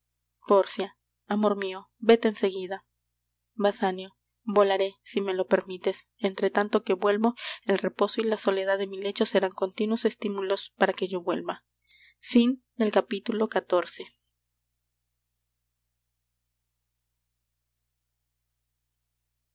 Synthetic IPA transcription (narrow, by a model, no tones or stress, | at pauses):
po̞ɾsjaː | mo̞ɾmio̞ | be̞t̪eense̞ɣiða | βasanjo̞ | bo̞laɾe̞sime̞lo̞pe̞ɾmit̪e̞s | ent̪ɾe̞t̪ant̪o̞ke̞βwe̞lβo̞e̞lre̞po̞soilaso̞le̞ð̞aðe̞mile̞t͡ʃo̞se̞ɾaŋko̞nt̪inwo̞se̞st̪imulo̞spaɾake̞ʝo̞βwe̞̰lβa | find̪e̞lkapit̪ulo̞kat̪o̞ɾse̞